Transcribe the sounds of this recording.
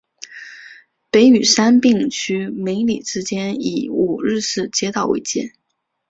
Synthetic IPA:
pe˧˥ɪy˨˩ʂa˥npi˥˩ŋt͡ɕʰy˥me˧˥ɪli˨˩ʈ͡ʂɻ̩˥t͡ɕjɛ˥nḭ˧˥˩u˨˩ɻɻ̩˥˧ʂɻ̩˥˩t͡ɕjɛ˥t̪ɑ˨˩ʊwḛ˧˥˩ɪt͡ɕjɛ˥˩

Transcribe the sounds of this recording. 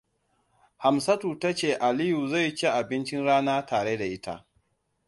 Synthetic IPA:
ha˨msɐ˦tuː˨ta˦t͡ʃeː˨ʔa˨lɪ˦ju˨za˦˨jt͡ʃe˦ʔa˨bɪ˦nt͡ʃɪ˦nɽaː˦naː˦tʰaː˨ɽeː˦da˨ʔɪ˦tʰa̰˦ʔ

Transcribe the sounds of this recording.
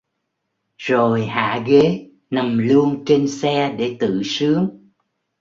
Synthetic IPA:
zo˨˩jha̰ː˧˨ɣe˨˦ | na˨˩mlu˧ənt͡ɕe˧nsɛ˧ɗe˧˩t̪ɨ̰˧˨sɨ˨˦əŋ

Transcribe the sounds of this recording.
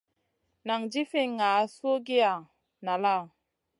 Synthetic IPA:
na˨ŋd͡ʒi˦fi˦ŋa˨˦su˦o˦ɡi˦a˨ | na˨la˦˨

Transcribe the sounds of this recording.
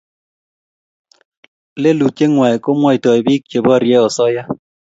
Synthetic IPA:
le˦lu˨t͡ʃe˦ŋwa˨ko˦mwɔ˦jtɔ˨i˨bi˦k̚t͡ʃe˨bɔ˦˨ɾjɛ˦ɔ˨sɔ˦ja˦

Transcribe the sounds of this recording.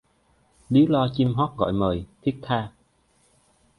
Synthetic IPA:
li˨˦wlɔ˧t͡ɕi˧mɦɔː˦˥t̚ɣɔ̰˧˨jməː˨˩jt̪ʰi˦˥ək̚t̪ʰaː˧

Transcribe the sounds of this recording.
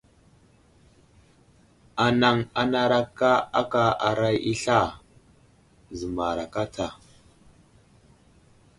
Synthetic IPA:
a˨na˨ŋa˨na˨ɾa˦kːa˦a̰˦ka˨a˨ɾa˦ji˦ɬa˦˨ | zə˨ma˨ɾa˨ka˦tʰa˨

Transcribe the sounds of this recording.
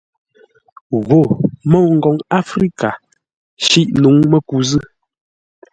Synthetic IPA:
ɣo˨mɔ˦˨ŋ̩˨ɡɔ˨ŋa˦fɾi˦ka˨ | ʃi˦ʔnu˨˦ŋmɛ˦ku˨˦zɨ˦

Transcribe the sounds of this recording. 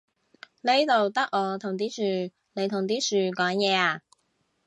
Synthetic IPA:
ne˥jt̪o˨wt̪ɐ˥k̚ʔɔː˨˧t̪ʰʊ˨˩ŋt̪̬iː˥syː˨˩ | ne˨˧jt̪ʰʊ˨˩ŋt̪̬iː˥syː˨kɔː˨˥ŋjɛː˨˧aː˧˩

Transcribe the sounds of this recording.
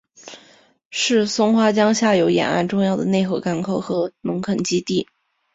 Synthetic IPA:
ʂɻ̩˥˩sʊ˥ŋxwa˥t͡ɕjɑ˥ŋɕja˥˩jo˧˥ʊjɛ̰˨˩na̰˥˧nʈ͡ʂʊ˥˧ŋjɑ˥˩ʊd̪ə˩ne˥˧ɪxo˥˩ka˥nkʰo˥˩ʊxɤ˧˥mə˧˥ŋkʰə˨˩nt͡ɕi˥t̪i˥˩

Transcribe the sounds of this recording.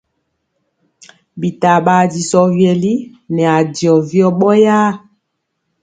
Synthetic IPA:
bi˨ta˨ɓa˨di˨sɔ˨vjɛ˨li˦ | nɛ˨a˨di˨ɔ˨vi˦ɔ˦ɓɔ˦jaː˦

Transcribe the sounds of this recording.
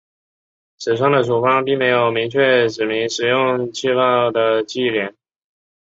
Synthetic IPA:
ʂɻ̩˨˩ʂɑ˥˩ŋd̪ə˩ʂu˨˩fɑ˥ŋpi˥˩ŋme˧˥ɪjo˨˩ʊmi˧˥ŋt͡ɕʰɥɛ˥˩ʈ͡ʂɻ̩˨˩mi˧˥ŋʂɻ̩˨˩jʊ˥˧ŋt͡ɕʰi˥˧fɑ˥˩d̪ə˩t͡ɕi˥˩ljɛ˧˩˦n

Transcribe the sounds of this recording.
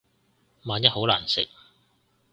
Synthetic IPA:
maː˨njɐ˥t̚ho˨˥wlaː˨˩nsɪ̰˨k̚

